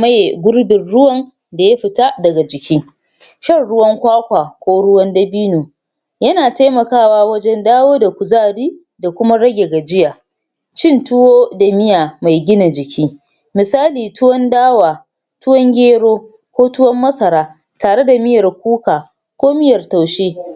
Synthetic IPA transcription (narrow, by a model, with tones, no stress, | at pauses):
ma˦jɡʷʊ˦ɽbɪ˨nɽʊ˦wɐ˦n | da˨ja˦ɸɪ˨ta˦dɐ˨ɡa˨d͡ʒɪ˨kʲiː˦ | ʃɐ˦˨rɽʊ˦wɐ˦ŋkʷaː˦kʷaː˨kʷoː˦ɽʊ˦wɐ˦ndɐ˦biː˦nuː˨ | jɐ˦naː˨ta˦mɐ˨kaː˦˨waː˦wɐ˦d͡ʒɛ˦ndaː˦woː˦da˨kʷʊ˨zaː˦˨ɽiː˦ | da˨kʷʊ˦ma˦ɽɐ˦ɡʲe˨ɡa˨d͡ʒɪ˦jaː˨ | t͡ʃɪ˦˨ntʊ˦woː˦da˨mɪ˦jaː˨ma˨jɡʲɪ˦na˨d͡ʒɪ˨kʲʰiː˦ | mɪ˨saː˦liː˨tʊ˦wɔ˦ndaː˦waː˨ | tʊ˦wɔ˦ŋɡʲeː˦ɽoː˦ | kʷoː˦tʊ˦wɐ˦mːɐ˦sɐ˨ɾaː˦ | taː˨ɽe˦da˨mɪ˦jɐ˨rk̚ʷuː˦kaː˨ | kʷoː˦mɪ˦jɐ˨rta˨wʃeː˦